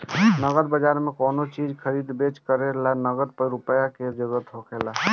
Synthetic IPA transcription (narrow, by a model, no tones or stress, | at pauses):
nəɡəɾbəd͡ʒaɾmekonot͡ʃid͡ʒkʰəɾid̪bet͡ʃkəɾeɾlanəɡəɾpəɾupəjaked͡ʒəɾuɾət̪ɦokʰela